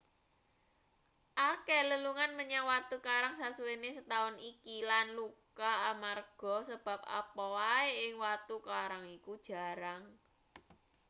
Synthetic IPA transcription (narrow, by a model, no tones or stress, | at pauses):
ʔakɛləluŋanməɲawat̪ukaɾaŋsasuwenesət̪aʊnikilanlukaːmarɡ̥ɔ̤səb̥ä̤p̚a̰pɔwaeɪŋwat̪ukaɾaŋikud̥ʒ̥a̤ɾaŋ